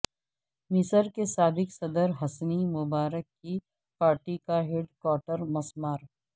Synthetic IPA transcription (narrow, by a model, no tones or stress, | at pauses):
mɪsəɾkesaːbɪksɐd̪əɾɦɐsnimʊbaːɾəkːi | paːɾʈikaɦeɖkɔːɾʈəɾmɐsmaːɾ